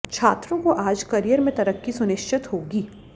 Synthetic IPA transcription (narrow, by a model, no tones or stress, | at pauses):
t͡ʃʰaːt̪ɾõkoʔaːd͡ʒkɐɾijəɾmẽt̪ɐɾəkːisʊnɪʃt͡ʃɪt̪ɦoːɡiː